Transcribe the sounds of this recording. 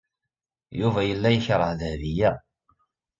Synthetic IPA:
juvæjəlːæjəçɾˤəhðhðijæ

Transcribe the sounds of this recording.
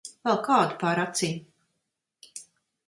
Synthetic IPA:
vɛlˠkaːd̪upaːɾat̪siɲ

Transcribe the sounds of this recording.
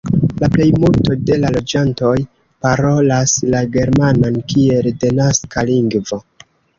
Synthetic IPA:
laple̞jmulto̞de̞lalo̞d͡ʒanto̞j | paɾo̞laslaɡe̞ɾmanankie̞lde̞naskaliŋɡvo̞

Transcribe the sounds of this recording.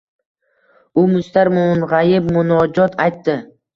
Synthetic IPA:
ʊmʊst̪aɾmʊnʁajɪp̚mʊnɒd͡ʒɒt̪ʰajt̪ːɪ

